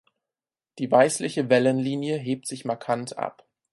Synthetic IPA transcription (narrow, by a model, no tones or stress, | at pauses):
d̥iːvaɪslɪçəvɛlənliːnjəɦeːp̚tz̥ɪçmaɐkʰantʰʔa̰p